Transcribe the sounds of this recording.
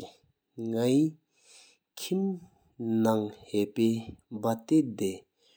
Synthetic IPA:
ŋai | kʰim | naŋheʔpembat̪ed̪e

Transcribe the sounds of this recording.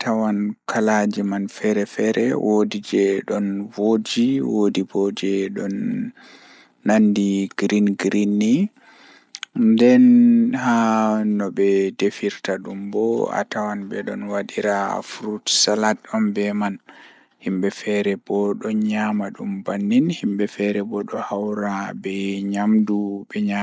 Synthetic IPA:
tawankʰalad͡ʒimanfɛɾɛfɛɾɛwʔodid͡ʒɛɗɔnwod͡ʒiwodibɔd͡ʒɛɗɔn | andiɡ̥ɾinɡɾinːi | ndɛnhanɔbɛdefiɾtaɗumbɔa̰tawanbɛɗɔ̰nwaɗiɾafuɾutsalatɔmbɛman | himbɛfɛɾɛbɔɗɔɲamaɗumbanːinhimbɛfɛɾɛbɔɗɔhawɾabɛɲamdubɛɲa

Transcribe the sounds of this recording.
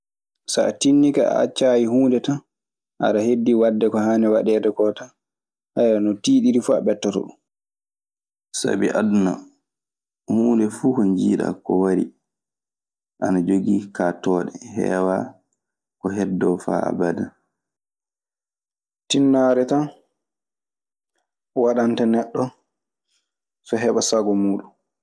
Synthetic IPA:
saːtinːikaa̰a̰t͡ʃːaːjihuːndɛta | ʔa̰ɾahedːiwadːɛkɔhaːnɛwaɗɛdɛkɔta | hajɾanɔtiːɗiɾifua̰ɓɛtːɔtɔ̰ɗum | sa̰biʔaduna̰ | huːndɛfuːkɔnd͡ʒiːɗa̰kɔwaɾḭ | ʔanad͡ʒoɡiːkatɔːɗɛhɛ̰ːwa | kɔɦɛdːɔfa̰ːa̰bada | tinːaɾɛtan | waɗantanɛɗːɔ | fɛɦɛɓasaɡɔmuːɗun

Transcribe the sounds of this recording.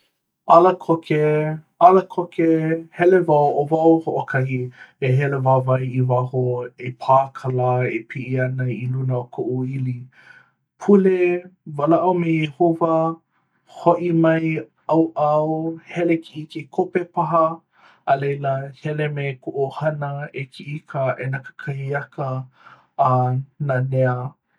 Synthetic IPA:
ʔɐlɐkʰokʰe | ɐlɐkʰokehɛlevawʔovɐwhoʔokʰɐhieɦɛlevavɐjivaɦoepʰaːkʰalaepʰiʔiɐnɐilunɐokʰoʔuili | pʰulevalaʔɐwmeehovɐ | hoʔimɐj | ɐwʔɐwhɛlekʰiʔikekʰopepaɦɐː | lejlɐhɛlemekoʔohɐnɐekʰiʔikʰəʔenɐkə̥kʰɐhiɐkʰəː | naneə

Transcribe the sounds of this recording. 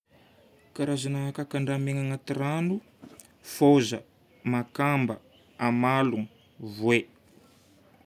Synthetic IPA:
kaɾazanaɦakakaɳɖ͡ʐameŋaŋat̪iranu | fozə | makambə | amaluŋ | vwe

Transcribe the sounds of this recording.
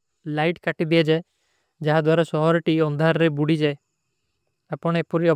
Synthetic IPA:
lajʈkaʈib̪ied͡ʒae | d͡ʒaɦad̪waɾasɔɦɔɾɔʈiɔnd̪ʱaɾɾebuɽid͡ʒae | apɔɽ̃epuɾiɔ

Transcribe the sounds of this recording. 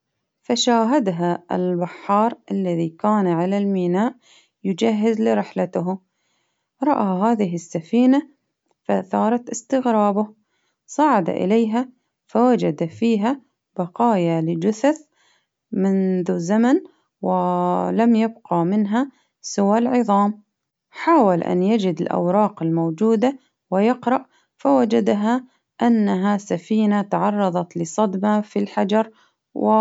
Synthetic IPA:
faʃaːɦad̪ɦaɪ̰lbɪħːɑːɾˤʔalːaðikaːnʕalalmiːnaːʔ | jʊd͡ʒaɦːɪzlɪɾɪħlat̪ɦ | ɾˤɑʔaɦaːðɪɦɪsːafiːna | faθɑːɾˤɑt̪ɪst̪ɪɣɾɑːbʊh | sˤɑʕad̪a̰ʔɪ̰lejɦa | fawad͡ʒad̪afiːɦa | b̥ɑqɑːjalɪd͡ʒʊθaθ | mɪnðuzaman | wɪlamjab̚qɑmɪnɦa | sɪwalʕɨðˤɑːm | ħaːwalʔa̰njad͡ʒɪd̪ɪlʔa̰wɾˤɑːqɪlmowd͡ʒuːd̪a | wɪjɪqɾˤɑʔ | fawad͡ʒad̪ɦa | ʔanːaɦasafiːnat̪aʕɑrˤːɑðˤɑt̪lɪsˤɑd̪mafilħad͡ʒɑɾˤ | wɪ

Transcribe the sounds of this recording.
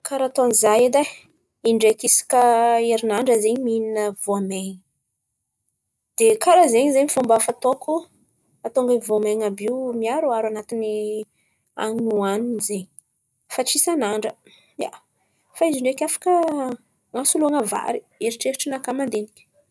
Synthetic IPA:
kaɾat̪oanizajad̪a | iɳɖ͡ʐekisi̥kəeɾinaɳɖ͡ʐəzeɲimininəvoameɲi | d̪̥ekaɾazeɲizeɲifumbafat̪oku | at̪oŋɡəivoameŋabiwmiaɾuaɾanat̪ini | a̰ŋnuaninzeɲi | faʈ͡ʂisanaɳɖ͡ʐə | ja̰ | faiziɳɖ͡ʐekʲafḁkə | ŋasuluaŋəva̰ɾi̥ | eɾiʈ͡ʂeɾiʈ͡ʂinakamand̪enikʲə̥

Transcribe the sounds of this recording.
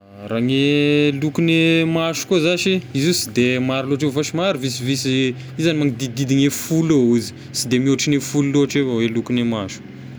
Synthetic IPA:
ɾaŋelukunemaʃu̥kozaʃiizusid̪emaɾiloʈ͡ʂeffaʃimaɾivisivisi | izanimaŋid̪id̪id̪iɲefulouzi̥ | sid̪emioʈ͡ʂinefululoʈ͡ʂewawelukinemaʃu̥

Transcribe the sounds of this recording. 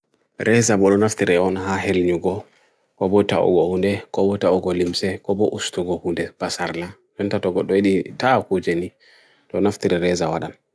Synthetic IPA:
ɾʔɛzabɔɗɔnaftiɾɛɔnɦaɦelɲuɡɔ | kɔbɔtaṵɡɔhundɛkɔbɔtauɡɔlimsɛkɔbɔʔustuɡɔhundɛb̥asaɾla | ɗɔntatɔɡɔɗɔiɗitakud͡ʒeni | tɔnaftiɾɛɾɛzawaɗam

